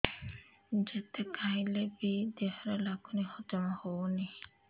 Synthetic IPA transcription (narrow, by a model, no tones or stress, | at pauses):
d͡ʒet̪ekʰailebid̪eɦɔɾelaɡunihɔd͡ʒɔmahowni